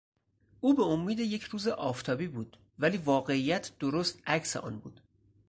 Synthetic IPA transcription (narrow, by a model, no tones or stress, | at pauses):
ʔuːbeomːiːd̪eje̞cʰɾuːze̞ʔɒːft̪ʰɒːbiːbuːd̪̥ | væliːvɒːɣe̞iːjæt̪ʰd̪̥oɾost̪æcsḛʔɒ̰ːnbṵːd̪̥